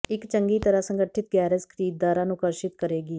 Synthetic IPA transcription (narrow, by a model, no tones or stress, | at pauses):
ɪkt͡ʃəŋɡiːt̪əɾəsəŋɡəʈʰɪt̪̚ɡɛːɾəskʰəɾiːd̪̚ːaːɾãːnũːkəɾʃɪt̪kəɾeːɡiː